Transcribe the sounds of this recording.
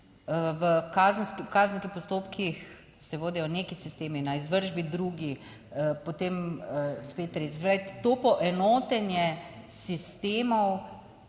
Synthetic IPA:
ʋəkaːzənskikazənskixpɔst̪oːpkʰix | sɛʋoːd̪ijɔnekisist̪eːminaizʋəɾʒbid̪ɾuːɡi | əpot̪eːmspeːt̪ːɾeːt͡ʃɛsɛpɾaʋitt̪oːpɔʔɛnoːt̪ɛnjɛsist̪eːmɔw

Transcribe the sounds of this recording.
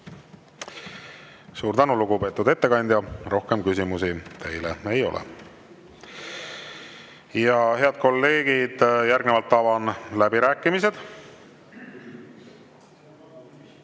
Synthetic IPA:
suːɾd̪ænuluɡupe̞ːt̪ːˑud̪̥e̞t̪ːe̞kɑnʲd̪̥ʲjɑro̞hke̞mkys̬ʲimusit̪ʰe̞jlḛe̞jo̞̰lɛ̰ | jɑhe̞ɑd̪̥̚ko̞lːe̞ːɡ̥id̪̥jæɾɡnevɑlt̪ːɑvɑnlæbiɾæːkːˑimis̬e̞d̪̥

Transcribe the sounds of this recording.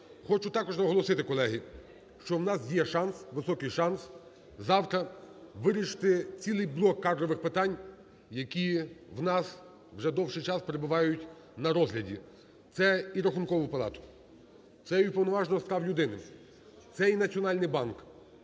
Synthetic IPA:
xɔt͡ʃʊt̪ɑkɔʒnɐɦɔlˠɔsɪt̪ɪkɔlˠɛɦi | ʃt͡ʃɔwnɑsjɛʃɑnsʋɪsɔkɪjʃɑns | zɑwt̪ɾɐʋɪɾʲiʃɪ̥t̪ɪt͡sʲilˠɪjblˠɔkːɑd̪ɾɔʋɪxpɪt̪ɑnʲ | jɐkʲiwnɑs | ʋʒɛd̪ɔwʃɪjt͡ʃɑspeɾebʊʋɑjʊtʲ | nɐɾɔzɦlʲɐdʲḭ | t̪sɛiɾɐxʊnkɔʋʊpɐlˠɑ̰t̪ʊ̥ | t̪sɛipɔwnɔʋɑʒnɔɦɔspɾɑwlʲʊd̪ɪnɪ | t̪sɛinɐt͡sʲiɔnɑlʲnɪjbɑnk

